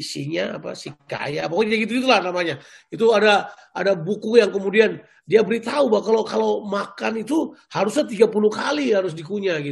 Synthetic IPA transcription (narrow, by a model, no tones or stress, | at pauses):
siɲaa̰pa̰sika̰jaːpakaɲaɡit̪uɡit̪̬ulahnamaɲa | it̪uada | a̰dabukujaŋkəmudian | diabəɾit̪aubakalokalomakanit̪uhaɾʊsɲat̪iɡapulukalihaɾʊs̬dikuɲaɡit̪